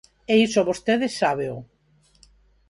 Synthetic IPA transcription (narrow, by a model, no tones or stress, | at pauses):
eisoβost̪eðesːaβeo